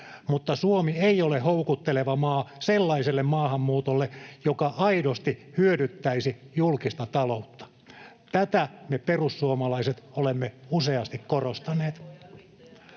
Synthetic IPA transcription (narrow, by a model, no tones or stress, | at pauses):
mut̪ːɑsuomieiolehoukut̪ːeleʋɑmɑːselːɑiselːemmɑːhɑmːuːt̪olːejokɑʔɑidost̪ihyødyt̪ːæisijulkist̪ɑt̪ɑlout̪ːɑ̥ | t̪æt̪æmeperusːuomɑlɑiset̪olemːeuseɑst̪ikkorost̪ɑneːt̪